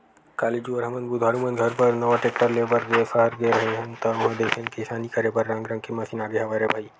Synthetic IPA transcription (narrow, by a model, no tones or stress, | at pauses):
kaːlid͡ʒuəɾɦɐmənd̪bud̪ʱaɾumənɡʱəɾpəɾnɐʋaʈek̚ʈəɾlebəɾɡesəɦəɾɡeɾɐɦeɦɐnt̪əɦə̃d̪esẽnkesaːnikɐɾebəɾːãŋɡɾə̃ŋkemasiːnaːɡeɦɐʋaɾebʱaːi